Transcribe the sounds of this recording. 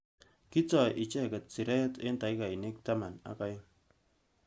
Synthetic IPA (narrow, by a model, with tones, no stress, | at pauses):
ki˦t͡sɔ˨ʔɪ˨t͡ʃɛ˦˨kɛ˨t̚t͡si˨ɾɛ˦te˦nta˨jka˨i˨ne˦k̚ta˦ma˨na̰˦ka˦j